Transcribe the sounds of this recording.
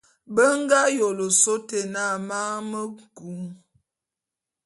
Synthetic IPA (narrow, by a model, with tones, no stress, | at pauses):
bə˦ŋ˦ɡa˦jo˨lo˨so˦te˨na˦˨ma˦mə˦ku˨˦ŋ